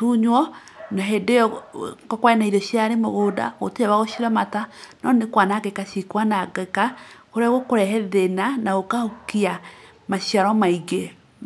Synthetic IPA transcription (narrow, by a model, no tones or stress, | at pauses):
tuɲwɔ | naɦedejɔkɔkwainaiɾoɕjaɾemoɣoda̰ɣo̰teɛβaɣoɕiɾamatanɔnekwanakekaɕikwanaɡɛkakoɾeaɣokoɾɛhɛðenanaɣokahokia | maɕiaɾɔmaiɡe